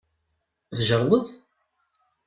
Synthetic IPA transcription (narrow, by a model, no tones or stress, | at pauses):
θʒəɾˤlˤəð